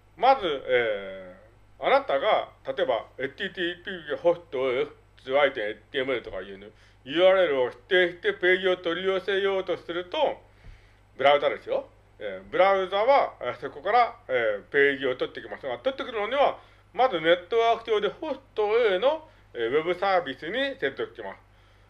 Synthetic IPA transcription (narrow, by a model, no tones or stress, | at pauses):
mazɨeː | anat̪aɡat̪at̪o̞eba̰et̪ʲiːt̪iːpʲiːho̞st̪ːo̞e | t͡sɨait̪ẽɰ̃et̪ʲiemɯ̟et̪o̞ka̰iɯno | jɯ̟ːaːɾɯe̞ɾɯ̟o̞ɕi̥t̪ːe̞ːɕi̥t̪e̞pe̞ːʑio̞t̪o̞ɾʲijo̞ːsejo̞ːt̪o̞ssɨɾɯ̟t̪o̞ | bɯɾaɯ̟zad̪e̞sɨjo̞ | eːbɯ̟ɾaɯ̟zaβaeso̞ko̞kaɾaeːpe̞ːʑio̞t̪o̞t̪ːe̞kʲimasɨɡat̪o̞t̪ːe̞kɯ̟ɾɯno̞ɲ̟iβa | mazɨne̞t̪ːo̞βaːkɯ̟̥ʑo̞ːd̪e̞ho̞st̪ːo̞eno̞ | eβe̞bɯ̟saːbʲisɨɲ̟iseɾt̪okkʲima̰sɨ̥